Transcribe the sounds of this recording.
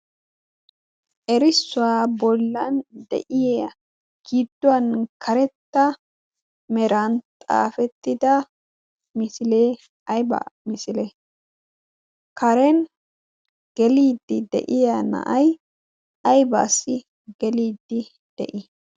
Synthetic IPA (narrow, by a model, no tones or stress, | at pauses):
ʔɛɾɪsːʊwaːbɔlːɐnd̪ɛ̰ʔɪjeɐ | ɡ̥iːd̪ːʊwɐnkʰɐɾɛt̪ːɐ | mɛɾɐnt̪ʼa̰ːfɛt̪ːɪd̪ɐ | mɪsɪleː | ɐjbɐ̰mɪsɪlɛ | kʰɐɾɛn | ɡ̥ɛliːd̪ːɪd̪ɛ̰ʔɪjɐnɐ̰ʔɐj | ɐjba̰ːsɪ | ɡ̥ɛliːd̪ːɪ | d̪̥ɛ̰ʔɪ